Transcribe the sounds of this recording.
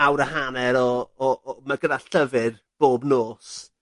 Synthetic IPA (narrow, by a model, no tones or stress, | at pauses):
awɾəhanɛɾɔː | maɡədaɬəvɨrb̥oːbnoːs